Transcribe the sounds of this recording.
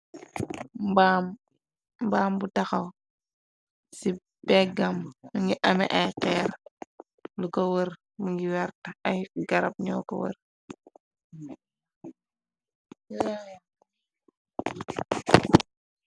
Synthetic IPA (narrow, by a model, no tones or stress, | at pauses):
bam | mbaːmbutɐxɐw | si | bɛɡɐmmuŋɡiʔɐmɛ̰ʔɐjqɛːɾ | lukɐwəɾ | muŋɡiwɛɾtɐɐjɡɐɾɐp̚ɲɔkɐ̰wə̰r